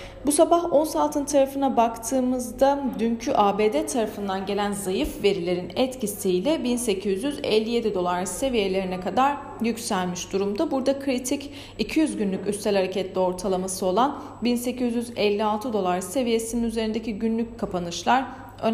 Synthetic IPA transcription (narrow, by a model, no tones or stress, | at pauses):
busabaho̞nsalˠt̪ʰɯnt̪ʰaɾafɯnabakt̪ʰɯːmɯzd̪ad̪yncʰyʔaːbeːd̪et̪ʰaɾafɯnd̪anɟe̞lʲænzajɯfve̞ɾilʲe̞ɾinɛt̪cʰisijlʲɛbinse̞cʰizjyzɛ̰lʲːije̞d̪id̪o̞lˠaɾse̞vije̞lʲe̞ɾinɛkad̪aɾ | jycsælʲmiʃd̪uɾumd̪abuɾd̪akʰɾit̪ʰic | icʰijyzɟynlʲycyst̪sɛlʲhaɾecʰɛt̪lʲio̞ɾt̪ʰalˠamasɯo̞lˠan | binse̞cʰizjyzɛlʲːialˠt̪ʰɯd̪o̞lˠaɾɯse̞vije̞sininyze̞ɾind̪e̞ciɟynlʲyc̚kʰːapʰanɯʃlˠaɾ | øn